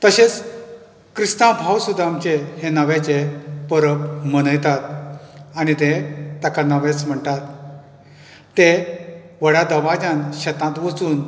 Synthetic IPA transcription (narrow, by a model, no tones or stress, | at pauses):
t̪əɕet͡s | kɾist̪ãbʱawsud̪ʱːaːmt͡ɕehenaʋet͡ɕepəɾəpməɽ̃əjt̪at̪̚aɽ̃it̪et̪akanaʋet͡sm̤əɳt̪at̪ | e | ʋəɽjad̪əʋad͡ʑãnɕɛt̪ãt̪ʋət͡suːn